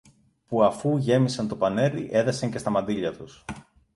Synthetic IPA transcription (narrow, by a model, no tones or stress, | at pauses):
puɐfuʝe̞misɐnt̪opɐne̞ɾiʔe̞ðɐsɐɲce̞st̪ɐmɐnd̪iʎɐt̪us